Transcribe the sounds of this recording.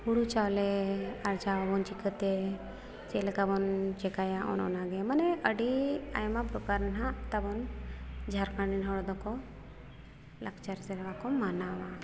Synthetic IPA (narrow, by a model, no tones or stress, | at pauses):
puɽut͡ʃawlɛaɾt͡ʃabɔnt͡ʃikət̪ɛ | t͡ʃɛlɛk̪abɔnt͡ʃɛkajaʔɔ̰nɔ̰naɡɛmanɛəɖia̰jmapɾɔkaɾnɦaʔt̪abɔnd͡ʒʱaɾkaɳɖinɦɔɽɔd̪ɔkɔ | lakʰt͡ʃaɾsɛɾɛbakɔmanawa